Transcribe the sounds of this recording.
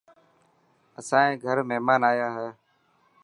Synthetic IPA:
əsãːẽːɡʱəɾməɦmaːnaːjaːɦɛː

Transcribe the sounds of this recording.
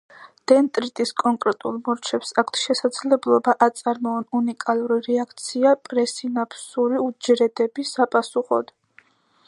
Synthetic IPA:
d̪̥ɛnt̪ʼɾit̪ʼiskʼɔŋkʼɾɛt̪ʼulˠmɔɾt͡ʃʰɛpsakʰt̪ʰʃɛsad̪zlɛblˠɔbaʔat̪sʼaɾmɔːnunikʼalˠuɾiɾɛakʰt̪sʰiapʼɾɛsinapʰsuɾiud͡ʒɾɛd̪ɛbisapʼasuχɔ̰d̪̥

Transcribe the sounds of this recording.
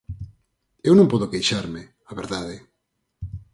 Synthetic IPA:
ewnõmpɔðokejʃaɾme | aβeɾðaðɪ

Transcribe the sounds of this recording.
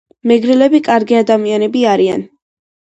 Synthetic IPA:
mɛɡɾilɛbikʼaɾɡiad̪amianɛbiaɾia̰n

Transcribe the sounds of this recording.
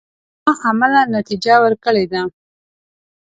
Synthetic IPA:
ɑʔamalanat̪id͡ʒawəɾkəɭed̪a

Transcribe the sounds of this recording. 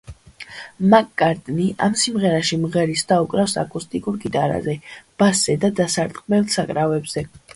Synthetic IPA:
makʼːaɾt̪ʼniʔamsimʁɛɾaʃimʁɛɾisd̪aukʼɾafsa̰kʼust̪ʼikʼuɾɡit̪ʼaɾa̰zɛb̥aszɛd̪ad̪asaɾt̪qʼmɛlˠsakʼɾavɛbz̥ɛ

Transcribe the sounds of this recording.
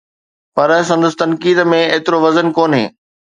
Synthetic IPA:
pɐɾsɐ̃nd̪əst̪ɐnkiːd̪mẽeːt̪ɪɾoʋɐzənkoːnɦḛ̃ː

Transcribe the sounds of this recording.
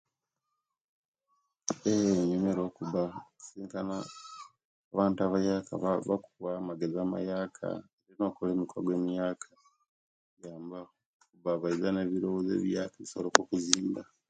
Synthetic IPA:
eɲumeɾoːkuβasiːŋkana | βaːntaβajaka̰ββakuwamaɡezaːma̰jaːkʰa̰eɾino̞ːkole̞ːmikwaɡwe̞ːmijaːkʰḁ | jaːmba | kuβaβaizane̞βiɾowoze̞̰ːβjaːkaβisolokokuziːmba

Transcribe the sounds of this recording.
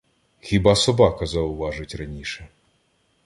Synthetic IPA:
xʲibɑsɔbɑkɐzɐʊʋɑʒɪtʲrɐnʲiʃɛ

